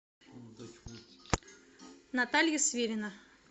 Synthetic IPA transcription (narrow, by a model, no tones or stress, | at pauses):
nat̪alʲjəsvʲeɾʲɪnə